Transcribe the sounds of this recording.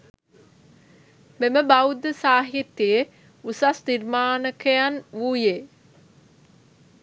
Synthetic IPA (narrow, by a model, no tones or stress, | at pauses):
meməbaud̪əsaːɦit̪ijə | usasniɾmaːnəkəjanʋuːje